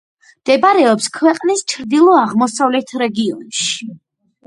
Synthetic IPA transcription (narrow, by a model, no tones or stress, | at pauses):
md̪̥ɛbɾɛɔpskʰwɛqʼnist͡ʃʰɾd̪ilˠɔaʁmɔsavlɛt̪ʰɾɛɡiɔnʃi̥